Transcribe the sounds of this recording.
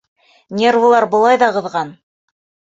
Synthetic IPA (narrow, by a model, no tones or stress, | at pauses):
nʲervulˠɑɾbŏlˠɑjðɑqɤ̆ðʁɑn